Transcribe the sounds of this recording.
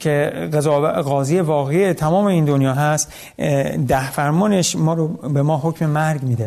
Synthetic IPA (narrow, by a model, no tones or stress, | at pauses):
kʰeɡezɒːɣɒːziːjevɒːɣeijet̪ʰæmɒːmeiːnd̪onjɒːɦæst̪ | d̪æhfæɾmɒːneʃmɒːɾobemɒːɦocʰme̞mæɾɡmiːd̪e